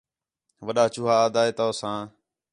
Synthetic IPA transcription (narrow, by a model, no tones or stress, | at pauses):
ʋəɗaːt͡ʃuːɦaːd̪aːeːt̪oːsãː